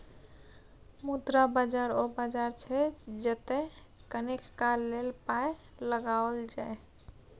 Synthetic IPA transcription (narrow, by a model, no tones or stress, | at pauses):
mud̪ɾabad͡ʒaɾobad͡ʒaɾt͡ʃʰɛd͡ʒet̪ɛ | kənekkalːelpae | ləɡaold͡ʒae